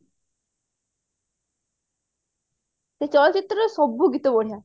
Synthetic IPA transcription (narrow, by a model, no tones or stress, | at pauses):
set͡ɕɔlɔt͡ɕit̪ɾəsɔbʱːuɡit̪oboɽ̤ja